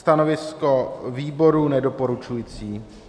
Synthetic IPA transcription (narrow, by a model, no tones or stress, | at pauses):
t̪anovɪskoviːbo̞ɾunɛdo̞po̞ɾut͡ʃujit͡siː